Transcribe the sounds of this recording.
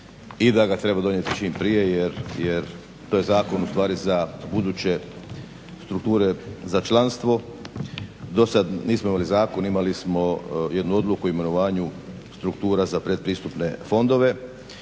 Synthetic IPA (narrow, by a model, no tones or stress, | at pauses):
id̪aɡat̪ɾe̞bad̪o̞nje̞t̪i̥t͡ʃiːmpɾije̞jeɾjeɾ | t̪oːje̞zaːko̞nust̪ʋaːɾizabud̪ut͡ɕe̞ | st̪ɾuk̚t̪uːɾe̞zat͡ʃlanst̪ʋo̞ | d̪o̞sad̪niːsmoimalizaːko̞nimalismo̞je̞d̪nuo̞d̪lukuime̞no̞ʋaːɲu | st̪ɾukt̪uːɾazapɾe̞d̪̚pɾiːst̪upne̞fo̞nd̪o̞ʋe̞